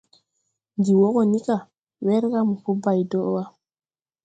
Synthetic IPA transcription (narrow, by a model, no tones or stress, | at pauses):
ndiwɔkɔnika | wɛɾkamufɔbajdɔʔwa